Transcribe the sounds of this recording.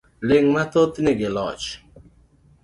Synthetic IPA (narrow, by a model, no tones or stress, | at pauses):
lɪŋmat̪ot̪nɪɡɪlɔ̰t͡ʃ